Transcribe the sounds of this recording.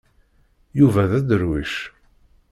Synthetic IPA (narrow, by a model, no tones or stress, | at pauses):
juvæðæd̪əɾwiʃ